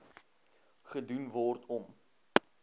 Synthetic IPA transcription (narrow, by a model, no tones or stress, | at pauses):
χədunvɔrtʰɔm